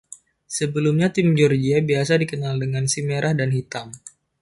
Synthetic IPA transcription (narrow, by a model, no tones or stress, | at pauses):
səbəlumɲat̪ɪmd͡ʒɔrd͡ʒiabiasadikənaldəŋansimeɾʔahdanɦit̪am